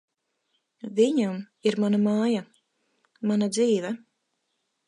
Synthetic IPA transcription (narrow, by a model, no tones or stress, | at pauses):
viɲam | iɾmanamaːja | manad̪ziːvɛ